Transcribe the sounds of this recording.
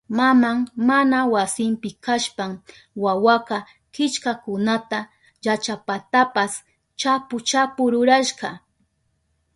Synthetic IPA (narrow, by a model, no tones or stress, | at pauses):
mamaŋmanawasɪmpɪkʰaʃpaŋ | wawaqɑ | kɪt͡ʃkakʊnat̪a | jat͡ʃapat̪apas | t͡ʃapʊt͡ʃapʊɾʊɾaʃqɑ